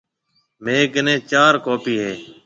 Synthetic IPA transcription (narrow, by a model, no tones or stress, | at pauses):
meːkɪnẽːt͡ʃaːɾkoːpiːɦeː